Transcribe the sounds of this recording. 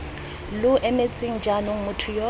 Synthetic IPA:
lʊʔɛmet͡sʼɪŋ̩d͡ʒanʊŋ̩mʊtʰʊjɔ

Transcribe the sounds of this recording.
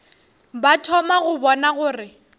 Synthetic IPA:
batʰɔmaɣʊbɔnaɣʊːrɪ

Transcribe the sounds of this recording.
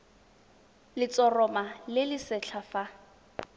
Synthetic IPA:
lɪt͡sɔrɔmalɪlɪsɛɬʰafa

